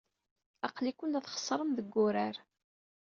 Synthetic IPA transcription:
ɑqlikʷːʊnæθχə̥sˤːɾˤəmðəɡːʊɾaɾ

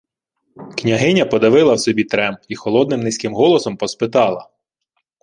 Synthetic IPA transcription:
knʲɐɦɪnʲɐpɔd̪ɐʋɪlˠɐwsɔbʲit̪ɾɛmixɔlˠɔd̪nɪmnɪsʲkɪmɦɔlˠɔsɔmpɔspɪt̪ɑlˠɐ

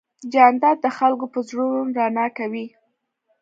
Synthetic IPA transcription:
d͡ʒɑnd̪ɑd̪̚d̪əxalkopəzɽomɾɑnɑkawi

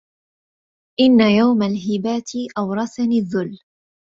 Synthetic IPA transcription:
ʔɪnːajawmalɦɪbaːt̪ɪʔawɾˤɑsanɪðːʊl

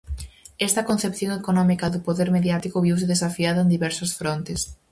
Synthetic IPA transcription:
ɛst̪ɐkonθepθjoŋekonɔmikɐðʊpoðeɾmeðjat̪ikʊβiwsɪðesafiaðɐẽnd̪iβɛɾsɐsfɾont̪es

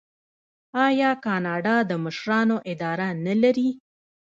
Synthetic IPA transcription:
ɑjɑkɑnɑɖɑd̪əməʃɾɑnoʔɪd̪ɑɾanalaɾi

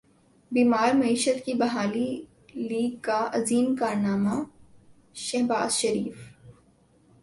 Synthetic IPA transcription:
biːmaːɾmɐiːʃət̪kibɐɦaːli | liːɡ̚kːaɐziːnkaːɾnaːma | ʃɐɦba̰ːzʃɐɾiːf

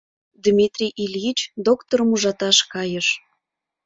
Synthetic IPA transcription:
d̪mʲit̪rʲijʔilʲjit͡ɕd̪okt̪oɾəmuʒɑt̪ɑʃkɑjəʃ

